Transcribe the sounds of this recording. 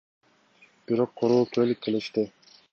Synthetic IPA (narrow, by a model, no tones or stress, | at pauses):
b̥iɾo̞qʰːoɾuːkølkːeliʃt̪ɪ